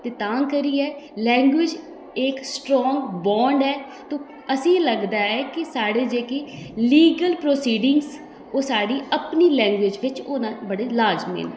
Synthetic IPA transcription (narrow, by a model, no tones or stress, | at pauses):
t̪eːt̪ãːŋkəɾiːɛːlɛ̃ːŋɡwɪd͡ʒ | ɪksʈɾɔːŋɡbɔːɳɖɛː | t̪õː | əsĩːləɡd̪aːɛːkɪsaːɽeːd͡ʒeːkeːliːɡəlpɾoːsiːɖɪŋɡz | oːsaːɽiːəpniːlɛ̃ːŋɡwɪd͡ʒʋɪt͡ʃoːnãːbəɽeːlaːɾd͡ʒmḛːn